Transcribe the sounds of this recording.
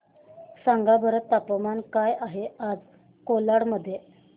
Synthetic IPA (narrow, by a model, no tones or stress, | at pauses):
saŋɡabʱəɾət̪ːapəmankajaɦead͡z | kolaɽməd̪ʱːje